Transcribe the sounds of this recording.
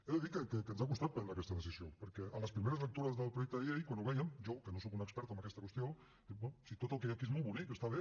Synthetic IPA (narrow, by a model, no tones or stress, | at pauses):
eðəðikəkəkənzakust̪at̪̚pɛnɾakɛst̪əðəsizjopəɾkɛənləspɾimeɾəzlək̚t̪uɾɐzðəlˠpɾujɛk̚t̪əðʎejkwanuβɛjəmʒokənosokunəkspɛɾt̪əmbəkɛst̪əkwəst̪jo | d̥̪ɛsit̪ot̪əlˠkejakiezmolˠβunikest̪aβe